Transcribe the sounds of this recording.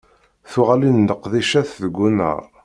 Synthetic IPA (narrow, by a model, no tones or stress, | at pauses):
θʊʁalind̪əqːðiʃæθðəɡʷːunə̰ʁ